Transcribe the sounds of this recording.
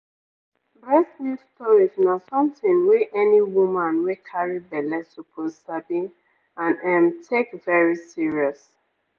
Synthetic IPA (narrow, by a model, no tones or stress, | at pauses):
bɹɛslistɔɹiznasɔ̃mθĩnwiʔɛniwumãnwekʰaɹibɛlɛsupʰozsabi | ãnɛ̃mtʰekvɛɹisiɹiɔs